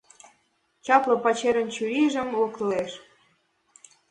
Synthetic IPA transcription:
t͡ɕɑplɤ̆pɑt͡ɕeɾə̆nt͡ɕyɾiʒə̆mlokleʃ

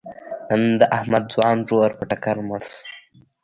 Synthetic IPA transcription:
ənd̪əʔahmad̪̚zwɑːnʐoːɾpəʈakaɾməɽs

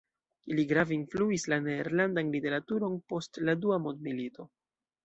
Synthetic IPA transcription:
iliɡɾavinfluislaneːɾlandanlite̞ɾatuɾo̞npo̞stladuamondmilito̞

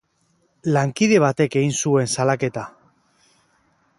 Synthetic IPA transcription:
laŋkiðe̞β̞at̪e̞ke̞ɣinsue̞nsalake̞t̪a

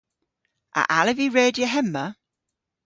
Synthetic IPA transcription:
ʔə̰ʔaləviɹɛːdjəɦɛmːə

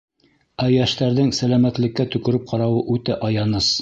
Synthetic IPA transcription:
æjæʃt̪æɾðɘŋsælæmæt̪lɘ̆kːæt̪ɵ̆kɵ̆ɾɘp̚qʰɑɾɑwɤʔʉt̪ɘʔɑjɑnɤs

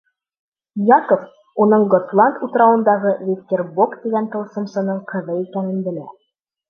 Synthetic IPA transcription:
jɑkof | unɤɴɡot̪lˠɑnt̪ut̪ɾɑwɤ̆nd̪ɑʁɤvʲikt̪ʲerbukt̪iɡænt̪ɤ̆lˠsɤ̆msɤ̆nɤɴqʰɤ̆ðɤikænɘ̆nbɘ̆læ

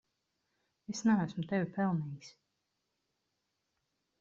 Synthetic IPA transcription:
esnaæsmʊt̪evʲipɛlˠniːks

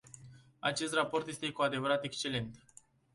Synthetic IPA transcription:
at͡ʃe̞st̪rapo̞rt̪je̞st̪e̞kuad̪e̞vəɾat̪e̞kst͡ʃe̞le̞nt̪

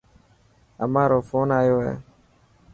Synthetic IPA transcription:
ə̰maːɾoːfoːnaːjoːɦɛ̰ː

